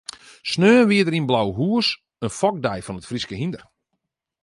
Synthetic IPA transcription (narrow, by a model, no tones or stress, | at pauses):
snøːənʋiədəɾinblawɦuəs | ənfɔk̚dɛjfɔnətfriskəɦindər